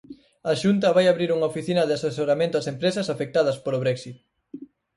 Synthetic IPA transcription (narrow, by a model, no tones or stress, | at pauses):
ɐʃunt̪ɐβajaβɾiɾuŋɐofiθinɐðɪasesoɾamẽnt̪ʊasempɾesɐsafek̚t̪að̞ɐspoloβɾɛksit̪̚